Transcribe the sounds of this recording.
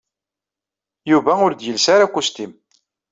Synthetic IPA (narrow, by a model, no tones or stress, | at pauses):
juvæʊɾd̪jəlsaɾakʷːust̪im